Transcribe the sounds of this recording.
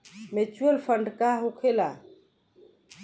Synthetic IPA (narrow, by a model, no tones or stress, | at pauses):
met͡ʃuəlpʰəɳɖkaɦokʰela